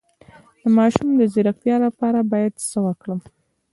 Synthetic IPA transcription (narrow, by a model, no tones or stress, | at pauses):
d̪əmɑʃumd̪əzɪɾakt̪jɑlapɑɾabɑjad̪səwakɽəm